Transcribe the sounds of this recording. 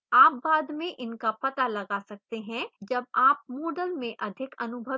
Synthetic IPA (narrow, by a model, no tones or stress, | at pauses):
aːp̚baːd̪mẽʔɪnkapɐt̪alɐɡaːsɐk̚t̪eɦɛ̃d͡ʒɐb̚aːp̚mɔːɖəlmẽʔɐd̪ʱɪkɐnʊbʱə